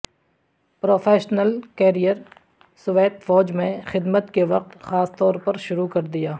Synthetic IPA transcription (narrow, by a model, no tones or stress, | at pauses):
pɾoːfʰeːʃnəlkɛːɾijəɾ | sʊʋeːt̪fɔːd͡ʒmẽxɪd̪mət̪keʋɐq̚t̪xaːst̪ɔːɾpɐɾʃʊɾukɐɾd̪ijaː